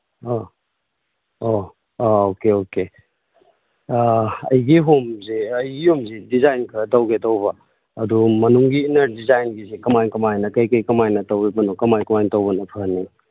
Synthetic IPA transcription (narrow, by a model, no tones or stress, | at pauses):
o | o | okeoke | ɐ̰jɡiɦumziɐjɡihumzidizajnkʰɐtɐwɡetɐwbɐ | ɐdumɐnuŋɡiːnɐɾdizajnɡizikɐmajnkɐmajnɐkɐjkɐjkɐmajnɐtɐwibɐnokɐmajkɐmajntɐwbɐnɐpʰɐnːi